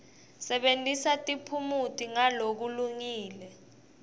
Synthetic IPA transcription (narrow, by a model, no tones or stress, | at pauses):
sɛɓentʼisatʼipʰumutʼiŋalok̬uluŋiːlɛ